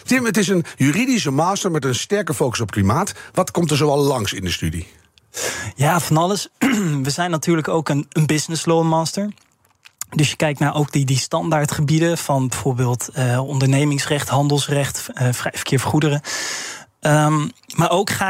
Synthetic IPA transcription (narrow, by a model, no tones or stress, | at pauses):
tɪmətɪsənjyridis̬əmaːstəɹmɛtənstɛɹkəfowkə̥sɔpklimaːtʋɑtkɔmtəɹzoɑlˠːɑŋsɪndəstydḭ | jaːfɑnɑləsʋəzɛjnːatyːɹləkowkənənbɪsnəsloːmaːstəɹ | dɵsjəkɛjktnaːɹʔowk̚didistɑndaːɹtχəbidəfɑnbəv̥oːɹbɪːlˠtəɔndəɹnejmɪŋsrɛχtɦɑndəlˠsrɛχtəfrɛjfə̥ɹkʰɪːɹfəχudərə | əmaːɹowkχa